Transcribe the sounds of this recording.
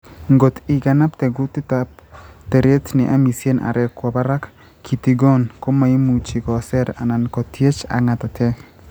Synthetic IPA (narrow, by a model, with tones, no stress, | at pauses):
ŋɡo˨t̪i˨ɡa˨na˦ptɛ˨ɡu˦t̪i˦tapte˨ɾe˦tnɪ˨ʔa̰˦mi˨sje˦nʔa̰˨ɾɛ˨kwɔ˨ba˦ɾa˦k | kʰi˨t̪i˨ɡɔ˦nko˦ma˨i˦mu˨t͡ʃi˨kɔ˨sɛ˦ɾa̰˨na˨nkɔ˨tʰje˦t͡ʃa̰˨ŋa˨t̪a˨tʰɛ˦